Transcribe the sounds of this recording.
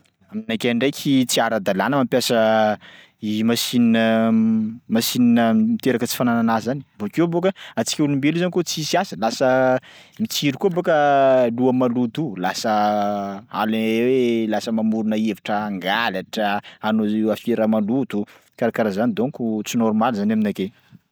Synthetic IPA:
aminakʲaɳɖ͡ʐejkʲʰit͡siaɾad̪alanəmampjasə | imasininə | masininəmit̪eɾakət͡si̥fanananazani̥vokewbokəat͡si̥kʲeulumbeluzanikot͡sisiasəlasəmit͡siɾikubokəluamalut̪ulasə | a̰lawelasəmamuɾunəevaʈ͡ʂəaŋɡalaʈ͡ʂəanoewafeɾamalud̪u | kaɾakaɾazanid̪onikut͡sinɔɾmalizanaminake

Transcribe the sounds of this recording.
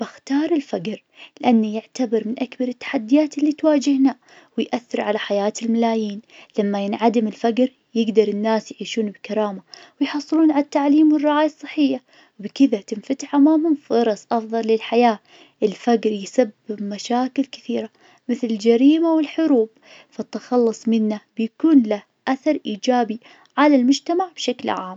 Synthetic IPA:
b̥ɪxt̪ɑːɾˤɪlfaɡɾ | lɪʔanːijɪʕt̪abɪɾmɪnʔakbɑɾˤɪt̪ːḁħad̪ːɪjaːt̪ɪlːit̪waːd͡ʒɪhna | wɪjʔaθːɪɾˤʕalaħajaːt̪ɪlmalaːjiːnlamːajɪnʕad̪ɪmɪlfaɡɾ | jɪɡd̪ɑɾˤɪnːaːsjʕiːʃuːnbkaɾˤɑːmawɪjħɑsˤːɨluːnʕalat̪ːaʕliːmwɪrˤːɑʕaːjɑsˤːɨħːɪjːa | wbkɪðat̪ɪnfat̪ɪħʔamaːhʊmfɑɾˤɑsˤʔɑfðˤɑlːɪlħajaː | ʔɪlfaɡɾjsabːɪbmaʃaːkɪlkɪ̥θiːɾa | mɪθlɪld͡ʒaɾiːmawɪlħʊɾuːb̚ | fat̪ːɪxɑlːɨsˤmɪnːab̥ɪjakuːnla | ʔaθɑɾˤʔiːd͡ʒaːbi | ʕalalmʊd͡ʒt̪amaʕbʃaklʕa̰ːm

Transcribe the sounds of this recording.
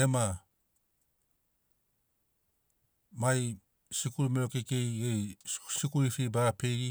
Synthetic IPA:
ema | maj | sikuɾumeɾokekejejsikuɾifibaɾape̞jɾi

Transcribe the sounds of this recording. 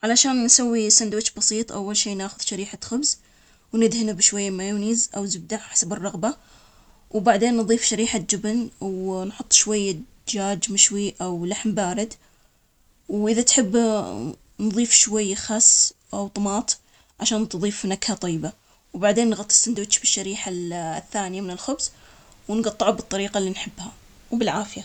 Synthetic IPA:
ʕalaʃaːnːsawːisand̪wɪt͡ʃbɑsˤiːt̪ˤʔawːalʃiːnaːxʊðʃaɾiːħaxʊbz | wnɪd̪hɪnabʃwajːamajuːniːzʔawzʊb̚d̪aʕħḁsabɨrˤːɑɣba | wbaʕd̪eːnːðˤiːfʃaɾiːħad͡ʒɪbnwnħʊt̪ˤːʃwajːa | d͡ʒaːd͡ʒmɪʃwiʔawlaħmbaːɾɪd̪ | wʔɪðat̪ħɪbː | nðˤiːfʃwajːxɑsː | ʔawt̪ˤmɑːt̪ˤ | ʕaʃaːnt̪ðˤiːfnakhat̪ˤɑjːba | wbaʕd̪eːnːɣɑt̪ˤːɨ̥sˤnd̪ʊʃbɪʃːaɾiːħaθːaːnɪjamɪnɪlxʊbs | wnɡɑt̪ˤːɪʕabɨt̪ˤːɑɾiːqalːinħɪbːha | wbɪlʕaːfɪja

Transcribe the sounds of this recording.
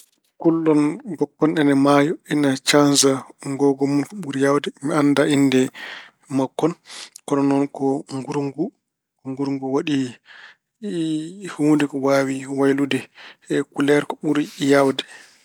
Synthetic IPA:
kulːɔnbɔkːɔnɛnɛmajɔinat͡ʃanzaŋɡɔɡɔmunkɔɓuɾijawdɛmianːdaindɛ | makːɔnkɔɗɔnɔnkɔŋɡuɾŋɡu | kɔŋɡuɾŋɡuwaɗi | huːndɛkɔwaːwiwajludɛɛkulɛɾkɔɓuɾijawdɛ

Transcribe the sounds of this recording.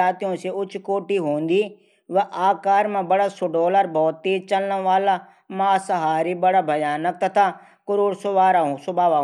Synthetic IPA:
aːt̪ijõseʊt͡ʃʰkoːʈiɦoːn̆d̪iː | ʋɛʔaːkaːɾmãbɐɽasoɖɔːləɾbɔːt̪ːeːt͡ʃɐlnəʋaːla | mãːsɐɦaːɾibɐɽabʱɐjaːnək̚t̪ɐt̪ʰa | kʊɾoːɽsʊʋaːɾaɦsʊbʱaːʋa

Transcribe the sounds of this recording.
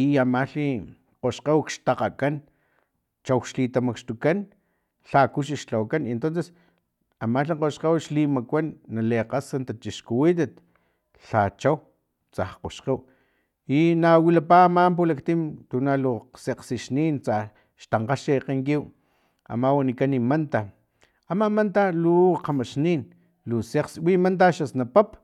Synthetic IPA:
iamaɬi | qoʃqewkʃt̪aqakan | t͡ʃawʃlit̪amakʃt̪ukan | ɬakuʃ̬iʃt͡ɬawkanent̪onses | amaɬiqoʃqewʃlimakʷanːaleqasant̪at͡ʃiʃkuwit̪̬at̪̚ | ɬat͡ʃaw | t͡sahqo̰ʃqew | inawilapaːmamp̬ulakt̪imt̪unaluseqsiʃniːnt͡sa | ʃt̪aɴqaʃiqeŋkiw | a̰mawanikanimant̪a | amamant̪aluqamaʃniːn | luseqswimant̪̬aʃasnapap

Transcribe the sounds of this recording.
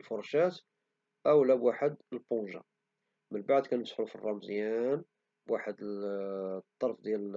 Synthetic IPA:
lfʊɾˤʃæt̪ | ʔəwlæbwaħəd̪əlponʒa̰ | mənbaʕd̪kænəsˤħɾufirˤːɑmzjæn | bwaħəd̪ə | t̪ˤːɑɾˤfd̪jæl

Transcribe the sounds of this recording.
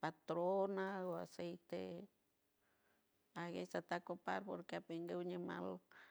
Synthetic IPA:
pat̪ɾonaoa̰sejt̪ḛ | aɣesat̪akopa̰ɾpoɾkeapeŋɡewɲema̰l

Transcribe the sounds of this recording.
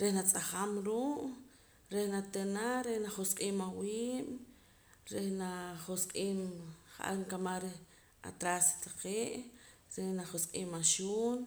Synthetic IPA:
ɾehnat͡sʼaχamɾuːʔ | ɾehnat̪enaɾehnaχosqʼiːmawiiːm | ɾehnaχosqʼiːmχaʔa̰ɾŋkamaɾeh | a̰t̪ɾast̪aqeːʔ | ɾenaχosqʼiːmaʃuːn

